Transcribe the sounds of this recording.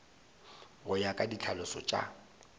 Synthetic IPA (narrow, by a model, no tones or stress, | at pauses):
ɣʊjakʼadit͡ɬʰalʊsɔ̰t͡ʃʼa̰